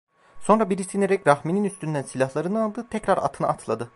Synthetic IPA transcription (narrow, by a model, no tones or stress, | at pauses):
so̞nɾabiɾisineɾɛcɾahmininyst̪ynd̪ænsilʲahlˠaɾɯnɯnalˠd̪ɯːt̪ʰɛcɾaɾa̰t̪ʰɯnɯ̰at̪ʰlˠad̪ɯ